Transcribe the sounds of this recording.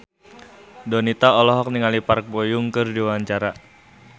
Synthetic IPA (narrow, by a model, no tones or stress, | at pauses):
dɔnit̪aɔlɔɦɔk̚niŋalipark̚bojuŋkɨrdiwaɲt͡ʃaɾa